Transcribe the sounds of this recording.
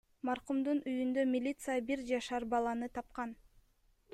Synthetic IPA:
mɑɾqumd̪unʔyjynd̪ø̞mʲilʲit̪sɨjabiɾd͡ʒɑʃɑɾbɑlˠɑnɯt̪ʰɑp̚qɑn

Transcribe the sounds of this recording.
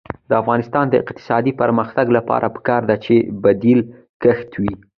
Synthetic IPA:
d̪̥əafɣɑnɪst̪ɑnd̪əɪ̰qt̪ɪ̥sɑd̪ipəɾməxt̪aɡlapɑ̰ɾʔapə̥kɑɾd̪at͡ʃebad̪il | kəxt̪wi

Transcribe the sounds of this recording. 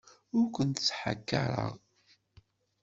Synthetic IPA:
ʊɾkʷənt̪ət͡sːħa̰kːaɾˤə̰ʁ

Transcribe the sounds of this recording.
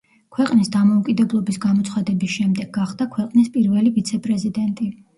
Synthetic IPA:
kʰwɛqʼnisd̪amɔukʼid̪ɛblˠɔbisɡamɔt̪sʰχad̪ɛbisʃɛmd̪ɛɡaχd̪̥akʰwɛqʼnispʼiɾvɛlivit̪sʰɛpʼɾɛzid̪ɛnt̪ʼi

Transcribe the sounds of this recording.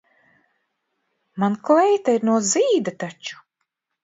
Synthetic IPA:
manklɛjt̪aiɾnuɔziːd̪at̪at͡ʃu̥

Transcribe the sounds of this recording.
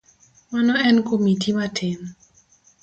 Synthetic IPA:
manɔɛnkomitʰimatʰɪn

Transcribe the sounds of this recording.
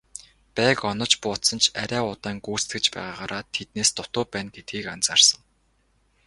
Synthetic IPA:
pæːkɔnɞ̆t͡ɕpʊːt̪sɞ̆nt͡ɕʰa̰ɾʲæːʊt̪aːŋɡuːst̪ɡɘ̆t͡ɕpæ̰ːʁaːʁaːɾaːt̪ʰet̪̚neːst̪ʊt̪ʊːpæːnɡet̪̚ɡiːkant͡saːrsə̆ŋ

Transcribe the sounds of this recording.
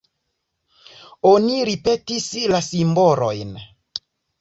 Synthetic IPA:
oniɾipetislasimboɾojn

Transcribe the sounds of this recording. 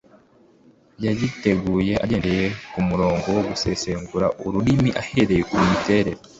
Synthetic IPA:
jajite̞ɡuːje̞ʔa̰ɟeːndeje̞kumuɾo̞ːŋɡo̞woɡuse̞seːŋɡuɾaʔuɾuɾimiʔahe̞ɾe̞jekuɾimite̞ɾe̞ɾo

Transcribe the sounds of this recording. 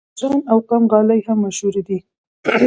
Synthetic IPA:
zɑnawqamɣɑlajhamːaʃhuɾed̪i

